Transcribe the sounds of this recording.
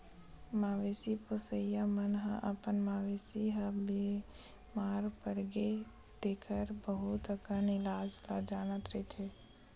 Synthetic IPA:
maːʋeːsiposəjamənɦə̃ʔəpənmaːʋeːsiɦə̃bi | maːɾpəɾɡe | d̪̥eːkʰəɾbəɦut̪əkənɪlaːd͡ʒlad͡ʒaːnət̪ɾəɦit̪ʰɦeː

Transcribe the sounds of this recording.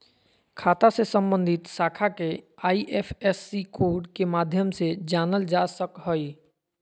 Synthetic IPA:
kʰaːt̪asesə̃mbə̃nd̪ʱit̪saːkʰakeaːiʔepʰesːikoːɾɖkemaːd̪ʱjəmsed͡ʒaːnəld͡ʒasəkɦəj

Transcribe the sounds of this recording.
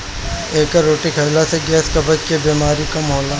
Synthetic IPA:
eːkaɾoːʈikʰɐlaseɡɛːskɐbəd͡ʒkebiːmaːɾikamɦɔːlaː

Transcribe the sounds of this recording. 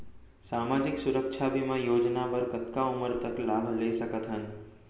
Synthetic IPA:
saːmaːd͡ʒɪksʊɾəkʃʰabʱimãjoːd͡ʒnaʋəɾkət̪kaʊməɾt̪ɐklaːbʱleːsɐkət̪ɦən

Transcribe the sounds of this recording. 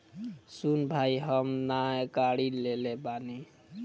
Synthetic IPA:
sunbʱaiɦəmnaekaɽilelebani

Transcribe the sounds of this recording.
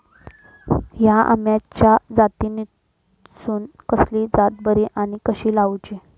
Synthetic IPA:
jaʔa̰mjat͡ɕjad͡zat̪ini | suːn | kəslid͡zat̪̚bəɾiʔaɽ̃ikəɕiːlawd͡ʑe

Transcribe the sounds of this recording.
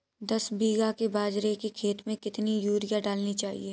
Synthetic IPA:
d̪ɐsbiːɡakebaːd͡ʒɾekekʰeːt̪mẽkɪt̪nijuːɾijaɖaːlnit͡ʃaːɦḭe

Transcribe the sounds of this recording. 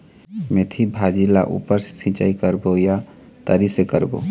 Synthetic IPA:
met̪ʰibʱad͡ʒila̰ʔṵpəɾse̥sĩt͡ʃa̰ikəɾboja | t̪əɾisekəɾbo̰

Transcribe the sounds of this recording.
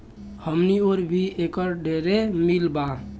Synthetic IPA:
həmnioɾbʱiekəɾɖeɾemilba

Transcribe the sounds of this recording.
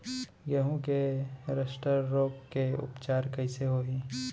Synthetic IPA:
ɡəɦũkeɾəʃʈəɾːoːkkeʊ̰pt͡ʃaːɾkɐĩseɦoːiː

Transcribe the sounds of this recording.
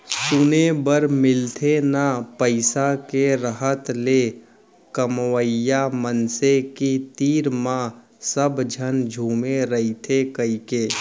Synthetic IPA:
sʊnebəɾmɪlt̪ʰenapəɪsakeɾəɦət̪le | kəmwəjamənsekit̪iːɾmã | səbd͡ʒʱənd͡ʒʱuːmeɾəit̪ʰekəikeː

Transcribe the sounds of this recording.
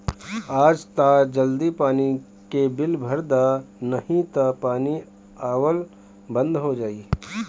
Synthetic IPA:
aːd͡ʒt̪ad͡ʒɐld̪ipaːni | kebɪlbʱəɾd̪anɐhĩt̪apaːni | aːwəl | bə̃nd̪ɦod͡ʒaːiː

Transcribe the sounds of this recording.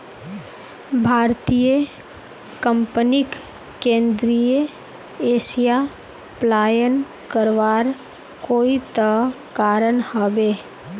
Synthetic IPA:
bʱaːɾt̪ijə | kə̃mpnɪk | kẽːnd̪ɾijə | eːʃija | plaːjən | kəɾʋaːɾ | koːit̪ə | kaːɾənhɔbeː

